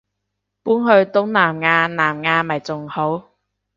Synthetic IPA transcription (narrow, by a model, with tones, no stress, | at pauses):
puː˨˥nɦɵ˧ɥt̪ʊ˨˥ŋnaː˨˩mŋaː˧naː˨˩mŋaː˧mɐ˨˩jt͡sʊ˨ŋho˨˥w